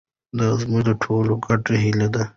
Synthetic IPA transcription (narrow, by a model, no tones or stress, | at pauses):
d̪azmud̪əʈʰoːloɡaʈeɦilad̪a